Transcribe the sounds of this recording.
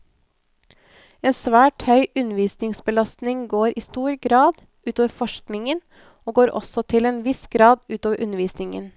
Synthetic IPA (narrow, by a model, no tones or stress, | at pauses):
eːnsʋæːʈhœʏʔʉnəʋiːsnɪŋsbəlɑst̪nɪŋɡoːɾʔiːst̪uːɾɡɾɑːd̪ | ʔʉːt̪oːʋəfɔʃknɪŋən | oːɡoːɾʔɔ̰sɔt̪ʰɪleːnʋɪsɡ̥ɾɑːd̪ʉːt̪oːʋəɾʔʉnəɾʋiːsnɪŋə̰n